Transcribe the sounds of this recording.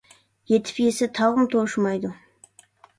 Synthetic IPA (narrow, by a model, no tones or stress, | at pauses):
je̞t̪ʰɪ̥pjesɪt̪ʰɑwʁəmt̪ʰoʃəmɑjd̪ə